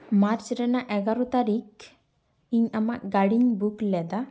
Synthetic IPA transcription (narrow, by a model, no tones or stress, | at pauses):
maɾt͡ʃɾɛnaʔɛɡaɾut̪aɾik | iɲamaɡaɽiɲbuklɛd̪a